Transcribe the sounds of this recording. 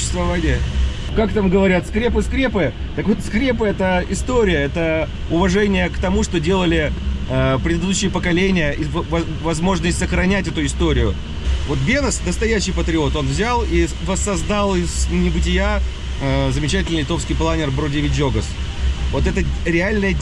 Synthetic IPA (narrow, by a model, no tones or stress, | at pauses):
sʊɕːɪ̥st̪vɐvanʲɪjə | kakt̪amɡəvɐɾʲat̪skɾʲep̬ɨskɾʲepɨ | t̪əkvo̞t̪skɾʲep̬ɨɛt̪əɪst̪oɾʲɪjəɛt̪ə | ʊvɐʐɛnʲɪjəkt̪ɐmuʂt̪o̞dʲe̞lˠəlʲɪəpɾʲɪd̪d̪uɕːɪjəpəkɐlʲenʲɪjəʔɪvɐ | vɐzmo̞ʐnəsʲtʲsəxɾɐnʲætʲɛt̪ʊɪst̪o̞ɾʲɪjʊ | vo̞t̪̚bʲenəsd̪əst̪ɐjæɕːɪjpət̪ɾʲɪo̞t̪o̞nvzʲalˠi | vəsːɐzd̪alˠɪznʲɪbɨtʲɪja | zəmʲɪt͡ɕætʲɪlʲnilʲɪt̪o̞fskʲɪijplˠanʲɪrbɾodʲevʲɪtʲd͡ʒo̞ɡəs | vo̞t̪ɛt̪əɾʲɪalʲnəjə